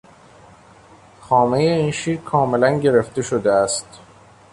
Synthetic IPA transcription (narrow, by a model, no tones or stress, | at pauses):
xɒːme̞jeiːnʃiːɾkʰɒːme̞lænɟe̞ɾe̞ft̪e̞ʃod̪eæst̪